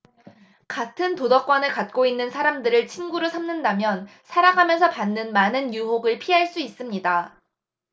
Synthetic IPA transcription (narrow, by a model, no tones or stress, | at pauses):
katʰɯntodʌk͈wʌnɯɭkat̚k͈oinːɯnsʰaɾamdɯɾɯɭt͡ɕʰinɡuɾosʰamnɯndamjʌnsʰaɾaɡamjʌnsʰʌpanːɯnmanɯnjuɦoɡɯɭpʰiɦaɭs͈uis͈ɯmɲida